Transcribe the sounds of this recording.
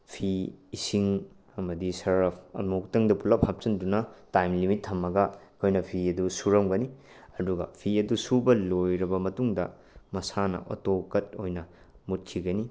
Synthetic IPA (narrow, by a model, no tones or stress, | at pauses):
pʰiːsiŋ | ɐmɐdisɐɾpʰɐ̰muk̚tɐŋdɐpulɐphap̚t͡ʃɐndunɐtajmlimitʰːɐmːɐɡɐkʰojnɐpʰiɐdusuɾɐmɡɐni | ɐduɡɐ̰pʰiɐdusubɐlojɾɐbɐmɐtuŋdɐ | mɐsanɐ̰ʔo̰tokɐt̚ojnɐ | mut̚kʰiɡɐni